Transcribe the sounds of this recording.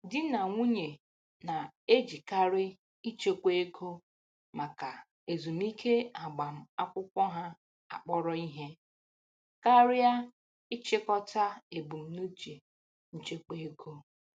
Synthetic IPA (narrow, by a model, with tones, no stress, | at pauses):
dɪ˦na˨ŋʷu˦ɲe˨ | na˨e˦d͡ʒi˨ka˦ɾɪ˦ | i˦t͡ʃe˦kʷe˦e˦kʰo˦ | ma˨ka˨ | e˨zu˨m̩˦i˦kʰe˦a˨ɡ͡ba˨m̩˨a˦kʷʊ˦kʷɔ˦ɦa˦ | a̰˨k͡pɔ˦ɾɔ˦i˦ɦe˦ | ka˦ɾɪ˦ja˦ | ɪ˦t͡ʃɪ˦kɔ˦ta˦e˨bu˨m̩˨nu˦t͡ʃe˨ | n̩˦t͡ʃe˦ke˦e˦kʰo˦